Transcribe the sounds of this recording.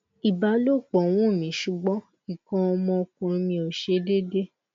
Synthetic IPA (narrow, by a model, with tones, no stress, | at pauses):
i˨ba˨˧˦lo˦˨k͡pɔ˨w̃ũ˦˨mĩ˨˦ʃu˨ɡ͡bɔ̃˨˦ | i˦˨kã˧ɔ˧mɔ̃˧kũ˨˧ɾi˧mĩ˧o˨ʃe˧˦de˦de˦